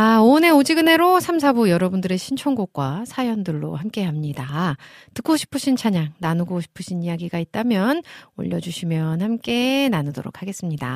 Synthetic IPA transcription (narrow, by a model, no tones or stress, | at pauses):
aone̞od͡ʑiɡɯne̞ɾosʰams̬ʰabujʌɾʌbundɯɾe̞ɕʰint͡ɕʰoŋɡok̚k͈wasʰajʌndɯɭːo̰hamk͈e̞ɦamɲida | tɯk͈oɕʰi̥pʰɯɕʰint͡ɕʰaɲaŋnanuɡoɕʰi̥pʰɯɕʰinijaɡiɡait̚t͈amjʌno̰ʎːʌd͡ʑuɕʰimjʌnhamk͈e̞nanɯdo̰ɾo̰k̚ʰaɡe̞s͈ɯmɲida̰